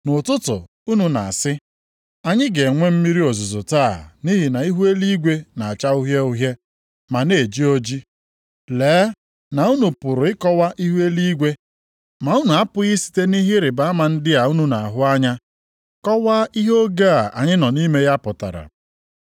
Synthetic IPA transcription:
nʊ˨tʊ˦tʊ̰˨ | u˦nu˨na˨sɪ˦ | a˦ɲɪ˦ɡe˨ŋʷe˦m̩˦mi˦ɾi˦o˨zʊ˨zʊ˨taː˦˨ni˦ɦi˨na˨i˦ɦu˦e˦li˦ɡʷe˦na˨a˨t͡ʃa˦u˦ɦje˦ʊ˦ɦje˦ | ma˨ne˨d͡ʒi˦o˦d͡ʒi˦ | leː˨˦ | na˨u˦nu˨pʊ˨ɾʊ˨ɪ˦kɔ˦wa˦ʔi˦ɦu˦e˦li˦ɡʷe˦ | ma˨u˦nu˨a˦pʊ˦ɣi˦si̥˨te˦ni˦ɦɪ˦ɾɪ˨ba˨˦a˦ma˨n̩˦dɪ˦a˨u˦nu˨na˨a˨ɦʊ˦a˦ɲa˦ | kɔ˦wa˦i˦ɦo˦ɡa˦a˨a̰˨ɲɪ˦nɔ˨ni˦me˦ja˦pʊ˨ta̰˨ɾa̰˨

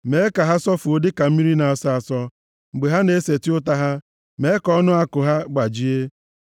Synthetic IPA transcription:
me˨˦e˦ka˨ɦa˦sɔ˦fu˨o˨dɪ˦ka˨m̩˦mi˦ɾi˦na˨a˨sa˦a˨sɔ˦ | ŋ͡m̩˨ɡ͡be˨ɦa˦ne˨˦se˨tɪ˦ʊ˦ta˦ɦa˦ | me˨˦kɔ˦nʊ˦a˦kʊ˨ɦa˦ɡ͡ba˨d͡ʒi˦e˦

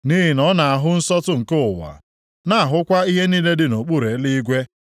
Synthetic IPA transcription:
ni˦ɦi˨nɔ˦na˨a˨ɦʊ˦n̩˦sɔ˦tʊ˦ŋ̩˨kʊ˦˨wa̰˨ | na˦a˨ɦʊ˦kʷa˦i˦ɦe˦niː˦le˦dɪ˨no˨k͡pu˦ɾe˨˦li˦ɡʷe˦

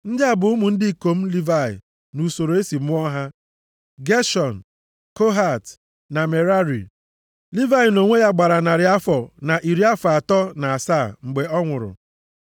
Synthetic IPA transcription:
n̩˦dɪ˦a˨bʊ˨ʊ˦mʊ˨n̩˦dɪ˦i˨ko˨m̩˦li˦va˦˨ɪ̰˨ | nu˨so˨ɾo˨e˦si˨m˦ʊ˦ɔ˦ɦa˦ | ɡe˦ʃɔ˨n̩ | ko˦ɦa˦˨t | na˨me˨ɾa˦ɾḭ˨ | li˦va˦jno˨ŋʷe˦ja˦ɡ͡ba˨ɾa˨na˨ɾɪ˨˦a˦fɔ˨na˨ʔi˨ɾi˦a˦fa˨tɔ˦na˨a˨saː˦˨ŋ͡m̩˨ɡ͡be˨ɔ˦ŋʷʊ˨ɾʊ̰˨

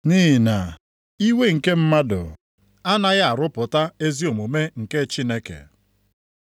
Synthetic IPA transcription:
niː˦˨na˨ | i˦we˦ŋ̩˨ke˦m̩˦ma˦dʊ̰˨ | a˦na˦ɣa˦a˨ɾʊ˦pʊ˨ta˦e˦zi˦o˨mo˨me˦ŋ̩˨ke˦t͡ʃi˦ne˦kḛ˨

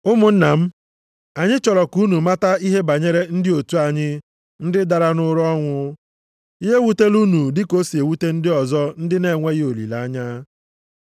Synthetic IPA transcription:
ʊ˦mʊ˨n̩˦na˨m̩˦ | a˨ɲɪ˦t͡ʃɔ˨ɾɔ˨ku˦nu˨ma˦ta˦i˦ɦe˦ba˨ɲe˦ɾe˦n̩˦dɪ˦o˨tu˦a˨ɲɪ˦ | n̩˦dɪ˦da˨ɾa˦nʊ˦ɾɔ˦ŋʷʊ˦ | i˦ɦe˦wu˦te˦lu˦nu˨dɪ˦ko˦si˨e˨wu˦te˦n̩˦dɪ˦ɔ˨zɔ˦n̩˦dɪ˦ne˨ŋʷe˦ɣo˨lḭ˨la˨˦ɲa˦

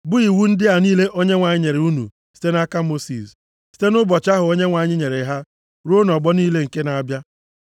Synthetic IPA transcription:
bʊ˦i˨wu˦n̩˦dɪ˦a˨niː˦le˦ʔo˦ɲe˦ŋʷa˨ɲɪ˦ɲe˨ɾe˨u˦nṵ˨ | si̥˦te˦na˦ka˦mo˦sḭ˨s | si̥˦te˦nʊ˦bɔ˨t͡ʃa˦ɦʊ˨o˦ɲe˦ŋʷa˨ɲɪ˦ɲe˨ɾe˨˦ɦa˦ | ɾo˦n˨ɔ˨ɡ͡bɔ˦niː˦le˦ŋ̩˨ke˦na˨a˦bja˦

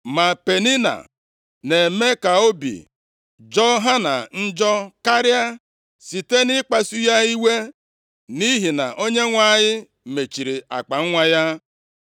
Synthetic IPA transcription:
ma˨pe˨ni˦na̰˨ | ne˨me˦ka˨o˦bḭ˨ | d͡ʒɔ˦ɦa˦na̰˨n̩˦d͡ʒɔ˦ka˦ɾja˦ | si˨te˦nɪ˦k͡pa˨su˦ja˦i˦we˦ | ni˦ɦi˨na˨ʔo˦ɲe˦ŋʷa˦˨ɲɪ˦ | me˨t͡ʃi˨ɾi˨a̰˨k͡pa˨ŋ̩˦ŋʷa˦ja˦

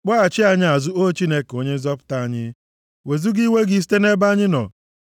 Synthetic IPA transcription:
k͡pɔ˦a˨t͡ʃɪ˦a˨ɲɪ˦a˨zʊ˦o˦t͡ʃi˦ne˦ko˦ɲe˦n̩˦zɔ˦pʊ̥˦ta˦a˨ɲɪ˦ | we˨zu˦ɡi˦we˦ɡi˦˨s̬i̥˦te˦ne˦ba˦ɲɪ˦nɔ̰˨

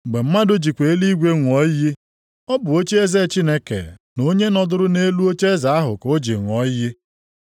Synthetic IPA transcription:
ɡ͡be˨m̩˦ma˦do˦d͡ʒi˨kʷe˨e˦li˦ɡʷe˦ŋʷ˨ɔ˨˦jɪ˦ | ɔ˦bʊ˨o˦t͡ʃe˦e˦ze˦˨t͡ʃi˦ne˦kḛ˨no˦ɲe˦nɔ˨dʊ˦ɾʊ˦ne˦lu˦o˦t͡ʃe˦za˨˦a˦ɦʊ̰˨ko˦d͡ʒi˨ŋʷ˨ɔ˨˦jɪ˦

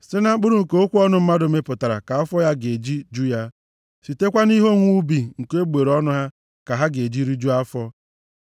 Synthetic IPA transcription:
sɪ˦na˦k͡pʊ˦ɾʊ˦ŋ̩˨ke˦o˦kʷu˦ɔ˦nʊ˦m̩˦ma˦dʊ˨me˦pʊ˨ta˨ɾa̰˨ka˨a˦fɔ˦ja˦ɡe˨d͡ʒi˦d͡ʒu˦ja˦ | si˨te˦kʷa˦ni˦ɦo˦ŋʷu˦bi˨ŋ̩˨ke˦ɡ͡be˨ɾɔ˦nʊ˦ɦa˦ | ka˨ɦa˦ɡe˨d͡ʒi˦ɾi˦d͡ʒu˦a˦fɔ˦

